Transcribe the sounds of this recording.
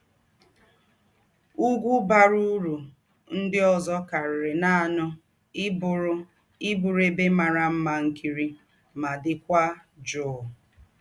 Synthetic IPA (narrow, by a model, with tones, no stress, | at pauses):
u˦ɡʷu˦ba˦ɾu˦ɾu˨ | n̩˦dɪ˦ɔ˨zɔ˦ka˨ɾɪ˨ɾɪ˨na˦˨nʊ˦ | ɾʊ˦ | i˦bu˨ɾe˦be˦ma˨ɾa˨m̩˦ma˨ŋ̩˦kʰi˦ɾi˦ | ma˨dɪ˨kʷa˦d͡ʒʊ˨